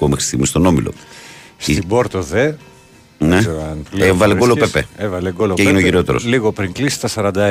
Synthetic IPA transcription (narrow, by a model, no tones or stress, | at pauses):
omexɾi̥st̪iɣmist̪o̞no̞milo̰sit̪iboɾt̪oðe | neɐnlevɐleolopepeevɐleɡoloeʝineoʝiɾo̞t̪e̞ɾosliɣopɾiŋklisi̥t̪ɐsɐɾɐnd̪ɐ